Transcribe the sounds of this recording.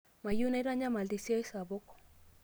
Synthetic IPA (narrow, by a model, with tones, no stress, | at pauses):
ma˨ju˦na˦i˦ɾa˦ɲa˦ma˨ld̪i˨si˦a˦i˦sa˨bo˦kɔ̥˦